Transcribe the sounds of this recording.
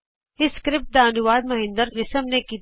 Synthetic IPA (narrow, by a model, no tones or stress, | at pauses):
ɪskɾɪp̚ʈ̚d̪ãːnuʋaːd̪̚mɐɦɪ̃nd̪əɾɡɪsəmneki